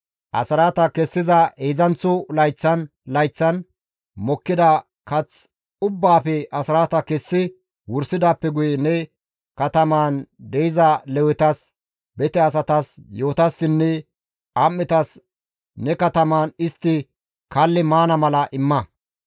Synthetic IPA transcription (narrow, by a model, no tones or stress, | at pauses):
ʔɐ̰sɐɾaːt̪ɐkɛsːɪzɐeːzɐnt͡sːʊlɐjt͡sːɐn | lɐjt͡sːɐn | mɔkːɪd̪ɐ | kɐt͡s | ʊbːaːfɛʔɐsɾaːt̪ɐkɛsːɪ | wʊɾsɪd̪aːpːɛɡʊjɛnɛ | kɐt̪ɐmaːnd̪ɛjɪzɐlɛwɛt̪ɐs | bɛt̪ɛɐs̬ɐt̪ɐsjo̞ːt̪ɐsːɪnːɛ | ʔɐmːɪt̪ɐs | nɛkɐt̪ɐmaːnɪst̪ːɪ | kɐlːɪmaːnɐmɐlɐʔɪmːɐ